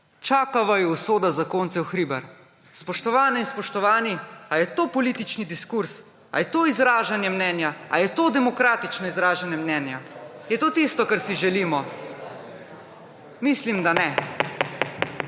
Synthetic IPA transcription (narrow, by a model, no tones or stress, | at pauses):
t͡ʃaːkaʋajɔusoːd̪azakoːnt̪sɛwxɾiːbaɾ | spɔʃt̪ɔʋaːnɛinspɔʃt̪ɔʋaːniajɛt̪oːpɔlit̪it͡ʃnid̪iskuɾs | a̰jɛt̪oːizɾaːʒanjɛmnɛːnjaa̰jɛt̪oːd̪ɛmɔkɾaːt̪it͡ʃnɔizɾaːʒanjɛmnɛːnja | jɛt̪oːt̪ist̪ɔkaɾsiʒɛliːmɔ | mislimd̪anɛ